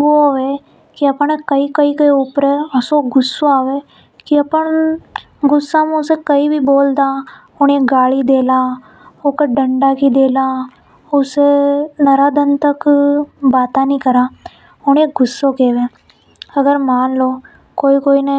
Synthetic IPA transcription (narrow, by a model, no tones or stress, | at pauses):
ʋoːoʋeː | kiəpɳekəiːkəikəiʊpɾesoːɡʊsːoaːʋeː | kiəpəɳ | ɡʊsːãːmẽʊsekəibʱiːboːld̪aː | ʊɳeːɡaːlid̪eːlaː | okeɖəɳɖaːkid̪eːlaː | ʊsenəɾaːd̪ənt̪əkbaːt̪ãnĩːkəɾaː | ʊneːɡʊsːoːkeːʋẽː | əɡəɾmaːnloː | koːikoːiːne